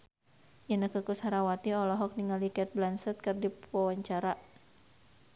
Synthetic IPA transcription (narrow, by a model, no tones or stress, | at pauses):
jənəkəkushaɾawat̪iɔlɔɦɔk̚niŋalikɛt̪̚blansɛt̪̚kərdipawaɲt͡ʃaɾa